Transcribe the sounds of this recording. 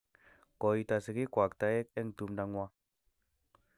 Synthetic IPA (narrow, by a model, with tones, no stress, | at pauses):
kɔ˨it̪a˨sə˨ki˦kwa˨k̚t̪a˧jɛ˦k̚ɛ˦ŋd̪u˨mda˧ŋwa˦